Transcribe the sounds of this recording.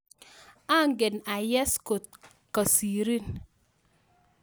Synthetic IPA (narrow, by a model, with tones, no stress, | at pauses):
a˦ŋɡe˨na˨jɛ˦sko˨ | ka˨si˨ɾi˦n